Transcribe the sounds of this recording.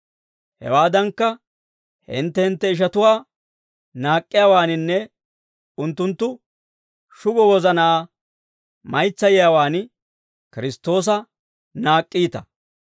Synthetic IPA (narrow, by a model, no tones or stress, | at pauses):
hɛ̰waːd̪ɐŋkːɐ | hɪ̰nt̪ːɛhɪnt̪ːɛɪʃ̬ɐt̪ʊwaː | naːkʼːɪjawaːnɪnːɛ | ʊnt̪ːʊnt̪ːʊ | ʃʊɡɔwɔzɐnaː | mɐjt͡sːɐjɪjawaːn | kɪɾɪst̪ːo̞ːs̬ɐ | naːkʼːiːt̪ɐ